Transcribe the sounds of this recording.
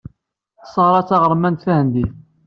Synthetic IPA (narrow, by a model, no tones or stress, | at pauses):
θsˤɑɾˤɑt͡sːɑʁəɾˤmænθæhənd̪iθ